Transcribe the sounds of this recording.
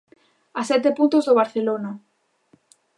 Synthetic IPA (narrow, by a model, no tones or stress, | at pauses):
asɛt̪epunt̪ozðoβaɾθelona